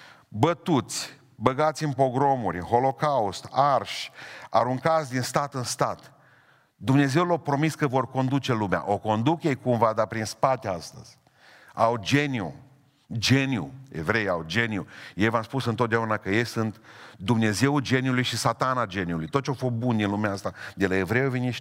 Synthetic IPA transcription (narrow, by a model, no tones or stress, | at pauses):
bət̪ut̪sʲ | bəɡat̪sʲɨnpɾo̞ɡɾo̞muɾʲɨnxo̞lo̞kaust̪arʃa̰ɾuŋkat̪sʲd̪inst̪at̪ɨnst̪at̪ | d̪umne̞ze̞wlowpɾo̞miskəvo̞rko̞nd̪ut͡ʃe̞lumea̰ʔo̞ko̞nd̪ukje̞jkumvad̪apɾinspat̪east̪ə̰z̥ʲ | awd͡ʒe̞niṵ | d͡ʒe̞niṵevɾe̞jawd͡ʒe̞niujejvamspusɨnt̪ot̪d̪eaunakəje̞jsɨnt̪d̪umne̞ze̞ud͡ʒe̞niulujʃisat̪anad͡ʒe̞niulujt̪ot̪̚t͡ʃawfo̞st̪̚bund̪inlumeaast̪ad̪e̞lae̞vɾejaveni